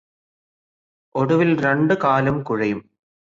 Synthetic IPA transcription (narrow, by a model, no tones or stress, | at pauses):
oɽuʋilɾeɳɖɨkaːlɐmkuɻɐjum